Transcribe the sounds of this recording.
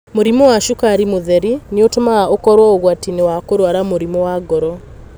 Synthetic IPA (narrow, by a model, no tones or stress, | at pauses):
moɾimɔwaʃukaɾimoðɛɾineotomaaokɔɾwɔoɣwatinewakoɾwaɾamoɾimɔwaɡɔɾɔ